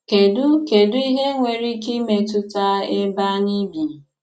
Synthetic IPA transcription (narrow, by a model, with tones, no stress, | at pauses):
ke˨dʊ˦ke˨dʊ˦i˦ɦe˦ŋʷe˨ɾi˦ki˦me˨tʊ˦ta˦e˦ba˦ni˦bi˨